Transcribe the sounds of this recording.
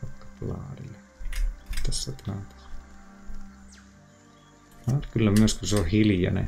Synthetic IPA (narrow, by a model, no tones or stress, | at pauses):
ɑkːɑ̥plɑ̰ːrile | t̪æsːæt̪lɑt̪ɑ̥s | lɑːrkylːæmyøskuseohiljɑ̰nḛ